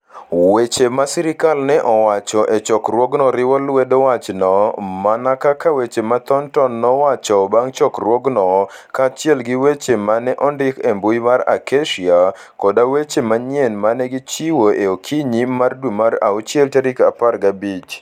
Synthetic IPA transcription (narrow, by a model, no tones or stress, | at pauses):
wet͡ʃemasiɾɪkalnɛʔɔwat͡ʃɔʔet͡ʃɔkrwɔɡnɔɾɪwɔlwedɔwat͡ʃnɔmanakakawet͡ʃemat̪ɔntɔnːɔwat͡ʃɔbaŋt͡ʃɔkrwɔɡnɔkat͡ʃjɛlɡiwet͡ʃemanɛʔɔndɪkembujmaɾa̰keʃia | kɔdawet͡ʃemaɲenmanɛɡit͡ʃiwoʔeokʰiɲimardumaɾa̰ut͡ʃjɛlteɾikaparɡabit͡ʃ